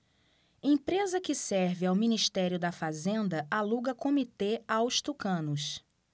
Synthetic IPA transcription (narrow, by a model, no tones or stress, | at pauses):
ẽpɾezɐkɪsɛɾvɪawminiʃt̪ɛɾjʊd̪ɐfazẽnd̪ɐʔaluɡɐkõmit̪eawʃt̪ukɐ̃nʊʃ